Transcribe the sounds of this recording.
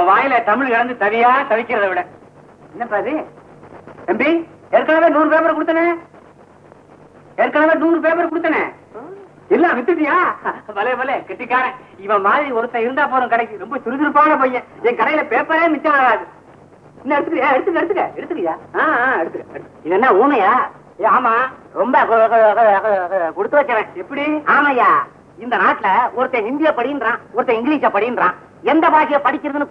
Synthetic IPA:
ɐ̃ʋaːjɪlɐt̪ɐmɪɻkɐɽɐnd̪ɯt̪ɐʋɪjaːɐt̪ɐʋɪkʲːɪɾɐðɐʋɪɽɐ | ɛnːɐpːaːðɯ | ɛmbiɛɾkːaːlɐʋeːnuːɾɯpeːpɐɾɐ̃kʊɽɯt̪ːɐnɐ | ɛɾkːaːlɐʋeːnuːnɯpeːpɐɾɐ̃kʊɽɯt̪ːɐnɐ | ɪlːãːʋɪt̪ːɯʈːɪjaːpɐlɐpɐlekɛʈːɪkːaːɾɐ̃ɪʋɐ̃maːðɪɾiɔɾɯt̪ːɐ̃ɪɾɯnd̪aːp̬oːɾɐ̃kɐɽɐkːɯɾɔmbɐsʊɾɪðɪɾɯp̬ːaːɣɐpoːjɛ̃ɛŋkɐɽɐjɪlɐpeːpːɐɾeːmɪt͡ʃːãɾaːðɯ | ɪnːɐɛɽɯt̪ːɯkːjaːɛɽɯt̪ːɯkːɛɽɯt̪ːɯkːɐɛɽɯt̪ːɯk̬ːɐjaːãːɛɽɯt̪ːɯkːɐ | ɪðɛnːãːuːmɐjaː | aːmaːɾɔmbɐkɔ | kɔɽɯt̪ːɯʋɐt͡ʃːɐʋẽːɛpːɐɽiaːmaːjaː | ɪnd̪ɐnaːʈːɪlɐɔɾɯt̪ːɐ̃ɪnd̪ɪjaːpɐɽɪjɪndɾãːɔɾɯt̪ːɐ̃ɪŋɡɪliːʂaːpɐɽɪjɪndɾãː | ɛnd̪ɐpaːk̬ːɐjɐpɐɽɪkʲːɪɾɐðɯnɯ

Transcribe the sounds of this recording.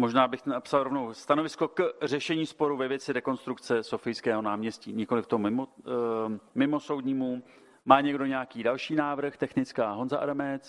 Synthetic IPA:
mo̞ʒnaːbɪxnapsalɾo̞vnowst̪ano̞vɪsko̞kr̝ɛʃɛɲiːspo̞ɾuvɛvjɛt͡sɪɾɛko̞nst̪ɾukt͡sɛso̞fɪjskɛːɦo̞naːmɲɛscḭːɲɪko̞lɪft̪omɪmo | mɪmo̞sowdɲiːmu | maːɲɛɡdo̞ɲɛjakiːdalʃiːnaːvr̩xt̪ɛxnɪt͡skaːɦo̞nzaʔa̰ɾamɛt͡s

